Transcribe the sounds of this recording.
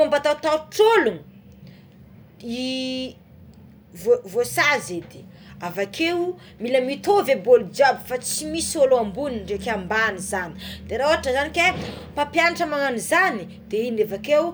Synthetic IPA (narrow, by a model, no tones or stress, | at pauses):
ambat̪awt̪awt͡solun | i | vovosazed̪i̥ | avakʰew | milamit̪ovebold͡ʒabifat͡simisioloambuninɖ͡ʐekambanizani̥d̪eɾaoɦaʈ͡ʂəzanike | papjanaʈ͡ʂəmaŋanizani | d̪einefakew